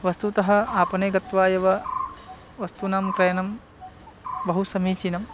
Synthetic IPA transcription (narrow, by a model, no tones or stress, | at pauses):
ʋɐst̪ut̪ɐɦɐaːpɐneːɡɐt̪ʋaːjɐʋɐ | ʋɐst̪unaːmkɾɐjɐnɐm | bɐɦusɐmiːt͡ʃinɐm